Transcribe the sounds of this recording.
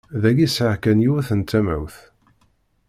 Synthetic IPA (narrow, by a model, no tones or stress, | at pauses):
ðæɡisʕakænjuθənt͡s̪ːæmæ̰wθ